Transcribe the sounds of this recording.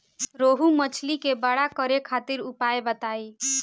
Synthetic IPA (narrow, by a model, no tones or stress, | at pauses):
ɾoɦumət͡ʃʰlikebəɽakəɾekʰat̪iɾupaebət̪ai